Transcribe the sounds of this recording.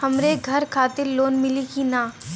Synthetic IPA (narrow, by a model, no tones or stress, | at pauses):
hɐmɾeɡʱɐɾkʰaːt̪ɪɾloːnmɪlikinaː